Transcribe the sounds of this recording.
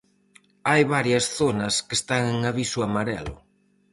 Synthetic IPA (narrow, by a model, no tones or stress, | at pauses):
ajβaɾjɐsθonɐskest̪aŋeŋaβisʊamaɾɛ̰lʊ̰